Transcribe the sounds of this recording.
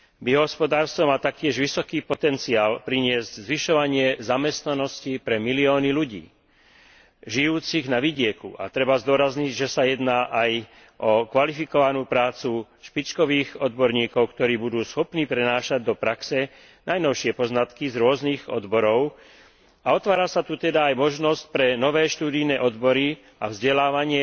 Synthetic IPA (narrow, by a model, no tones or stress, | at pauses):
biɔɦɔspɔd̪aːɾst̪ɔmaːt̪ak̚cɪɛʒʋisɔkiːpɔt̪ɛnt͡siaːlpɾiɲɪɛzɟzʋiʃɔʋaɲɪɛzamɛst̪nanɔscipɾɛmiliɔːniluɟḭː | ʒijuːt͡siɣnaʋiɟɪɛkṵʔa̰t̪ɾɛbazd̪ʊɔɾazɲiɟʒɛsajɛd̪naːʔaj | ʔɔkʋalifikɔʋanuːpɾaːt͡su | ʃpit͡ʃkɔʋiːɣɔd̪bɔɾɲiːkɔʊkt̪ɔɾiːbud̪uːsxɔpniːpɾɛnaːʃaɟd̪ɔpɾaksɛ | najnɔʊʃɪɛpɔznat̪kizɾʊɔzniːɣɔ̰d̪bɔɾɔʊ | aɔt̪ʋaːɾasat̪ut̪ɛd̪aːjmɔʒnɔsc̚pɾɛnɔʋɛːʃt̪uːd̪ijnɛːʔɔd̪bɔɾi | avzɟɛlaːʋaɲɪɛ